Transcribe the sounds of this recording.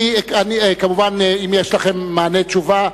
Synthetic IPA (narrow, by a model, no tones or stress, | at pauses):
ianiekamuvaneimjeʃlaχe̞mːaːnett͡ʃuva